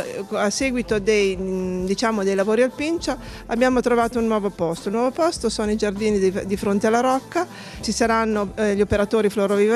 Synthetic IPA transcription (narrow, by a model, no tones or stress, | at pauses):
asːeːɡwit̪od̪ejd̪it͡ʃaːmod̪ejlavoːɾialpint͡ʃa | abjaːmot̪ɾovaːt̪ounːwɔːvopɔst̪oulnwɔːvopɔst̪osoːnoid͡ʒard̪iːnid̪ifɾont̪ealːaɾɔkːa | t͡ʃisaɾanːoʎopeɾat̪oːɾifloɾovi